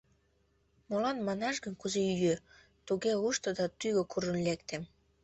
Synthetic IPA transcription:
molɑnmɑnɑʃɡənkuzeyjø | t̪uɣeuʃt̪od̪ɑt̪yɣokuɾənlekt̪em

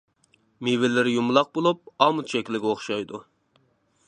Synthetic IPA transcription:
miwɪlɪɾɪjumlˠɑq̚bolˠup̚ɑmut̪t͡ʃʰɛkʲlɪɡʲoχʃɑjd̪u

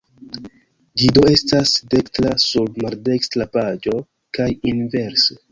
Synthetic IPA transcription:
d͡ʒido̞e̞stasde̞kstlasubmaɾde̞kstɾapad͡ʒo̞ | kajinve̞ɾse

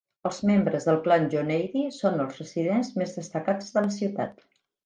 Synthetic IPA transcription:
əlˠzmembɾəzðəlˠklanʒonɛjðisonəlˠzrəsiðenzmezðəst̪əkad͡zðələsiwt̪a̰t̪

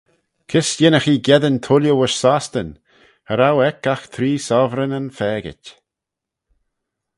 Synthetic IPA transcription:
kʰɪsjɪnəxiːɡjɛðənt̪ʰʊljəwəʃsast̪ən | həɾawɛkaxt̪ʰɾiːsɔvɾənənfɛːɡɪ̰tʲ

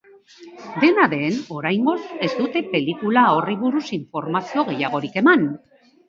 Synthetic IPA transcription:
d̪e̞naðe̞no̞ɾajŋɡo̞se̞zd̪ut̪e̞pe̞likulao̞riβ̞uɾusiɱfo̞ɾmasio̞ɣe̞jaɣ̞o̞ɾike̞man

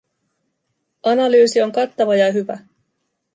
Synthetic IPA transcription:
ʔɑnɑlyːsio̞ŋkɑt̪ːɑʋɑjɑɦyʋæ̰

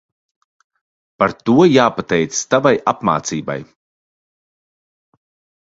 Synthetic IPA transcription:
paɾt̪uɔjaːpat̪ɛjt̪sst̪avajapma̰ːt̪siːba̰j

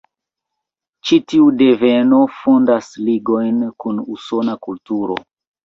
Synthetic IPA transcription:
t͡ʃitiude̞ve̞no̞fondasliɡo̞jnkunuso̞nakultuɾo̞̰

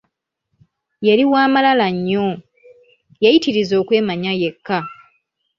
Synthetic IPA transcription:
jeɾiwaːmalalaɲːo | jajitiɾizo̞ːkwe̞ːmaɲaje̞kːa

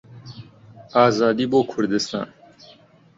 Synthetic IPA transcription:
aːzaːd̪iboːkʰuɾd̪est̪ã̰ːn

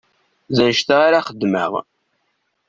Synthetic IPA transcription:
zænʃt̪aɾaχəd̪ːmə̰ʁ

